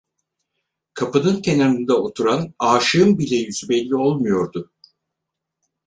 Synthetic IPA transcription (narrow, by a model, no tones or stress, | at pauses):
kʰapɯnɯnk̪ʰe̞naɾɯnd̪aot̪ʰuɾanaːʃɯɯmbilʲɛjyzybɛlʲːio̞lˠmujo̞ɾd̪ʊ